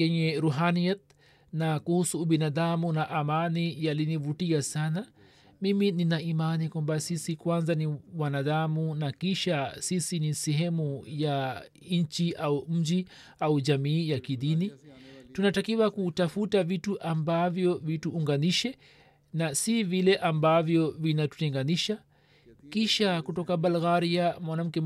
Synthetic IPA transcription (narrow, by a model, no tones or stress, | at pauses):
jɛɲɛɾuɦaniat̪̚ | nakuhusuːɓinaðamunaʔamanijalinivutiasana | mimininaimanikwambasisikwanzaniwanaðamunakiʃasisinisɛɦɛmuja | ɲ̩t͡ʃiʔaum̩d͡ʒi | auʄamiːjakiðinitunatakiwakutafutavituʔambavjɔvituːŋɡaniʃɛ | nasivilɛʔambavjɔvinatu̥tɛŋɡaniʃa | kiʃakutɔkabalɣaɾiamwanam̩kɛ